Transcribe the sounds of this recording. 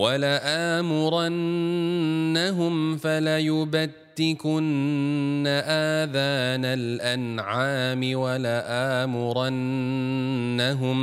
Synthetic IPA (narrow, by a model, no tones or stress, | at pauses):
walaʔaːmʊɾˤanː | aɦʊmfalajʊbat̪ːɪkʊnː | aʔaːðaːnalʔanʕaːmɪwalaʔaːmʊɾˤanː | aɦʊm